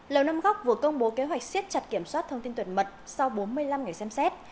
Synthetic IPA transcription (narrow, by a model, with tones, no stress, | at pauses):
ləː˨˩wna˧mɣa˦˥wk͡p̚vu˨˩əkə˧wŋ͡mɓo˨˦ke˨˦ɦwa˨˩k̚si˦˥ət̚t͡ɕa˨˩t̚ki˧˩əmswaː˦˥t̚t̪ʰə˧wŋ͡mt̪i˧nt̪ʰə˨˩nmə˨˩t̚sa˧wɓo˨˦nmɨ˧əjla˧mŋa˨˩jsɛ˧msɛ˦˥t̚